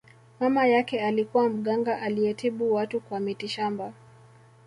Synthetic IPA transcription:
mamajakɛalikuwam̩ɠaŋɡaʔaliɛtʰiɓuwatukwamitiʃamba

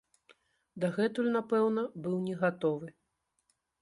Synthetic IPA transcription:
d̪aɣɛt̪ulʲnapɛwnɐbɨwnʲɛɣat̪ɔvɨ

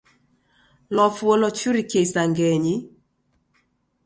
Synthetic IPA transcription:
lɔfwolɔt͡ʃuɾikesaŋɡɛɲi

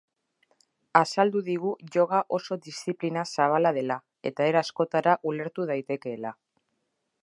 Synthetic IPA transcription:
asald̪uðiɣ̞uʝo̞ɣaʔo̞so̞ðisθiplinasaβ̞alað̞e̞la | e̞t̪ae̞ɾasko̞t̪aɾaʔule̞ɾt̪uð̞ajt̪e̞ke̞ːla

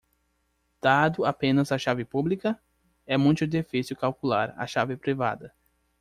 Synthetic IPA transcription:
d̪̥ad̪ʊapẽnɐzɐʃavɪpublikɐ | ɛmũj̃t̪ʊd̪efisjʊkawkula̰ɾa̰ʃavɪpɾiva̰d̪ɐ

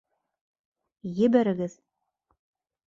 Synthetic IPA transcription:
jɘ̆bæɾɘ̆ɡɘð

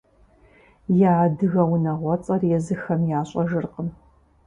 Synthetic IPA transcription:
jaːdɨɣɐwnɐʁʷɔt͡sʼɐrjɛzɨxɐmjaːɕʼɐʒɨrqən

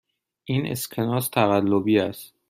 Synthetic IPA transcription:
ʔiːnḛskʰenɒːst̪ʰæɣælːobiːæst̪̚

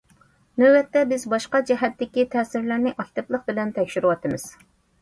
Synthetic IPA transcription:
nøbɛt̪ːɛbɪzbɑʃqɑd͡ʒɛɦɛt̪ːɪkʲit̪ʰɛːsɪɾlæɾnɪʔɑkʲt̪ɨplˠəq̚bɪlɛnt̪ʰɛkʲʃyɾɨwɑt̪ɨmɨz̥

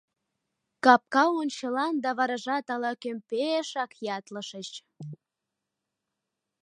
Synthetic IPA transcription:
kɑp̚kɑonʲt͡ɕəlɑnd̪ɑβɑɾɑʒɑt̪ɑlɑkømpeʃɑkjɑt̪ləʃət͡ɕ

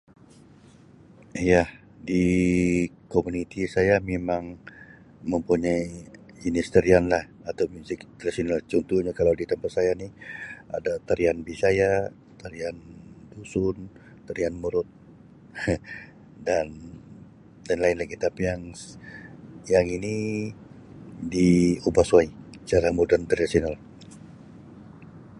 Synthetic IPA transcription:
jah | di | komunit̪ʰisajamemaŋ | məmpuɲai | inist̪əɾianlah | at̪awmusikt̪ɾasinlaht͡ʃɔnt̪uhɲakalawdit̪əmpat̪sajania̰dat̪aɾianbisaja | t̪aɾiandusʊn | t̪aɾianmuɾʊt̪̚ | dan | lanlaɪnlaɡit̪apijaŋ | jaŋini | diobaswait͡ʃaɾamudant̪ardasional

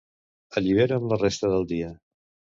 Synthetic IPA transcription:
əʎiβ̞eɾəmlərest̪əðəlˠd̪iə

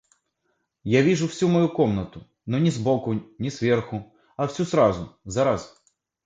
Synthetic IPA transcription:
jaʋʲiʒʊwsʲumɔjukɔmnɐt̪ʊ | nɔnʲizbɔkʊnʲisʋʲɛrxʊ | ɐwsʲusɾɑzʊ̰zɑɾɐz

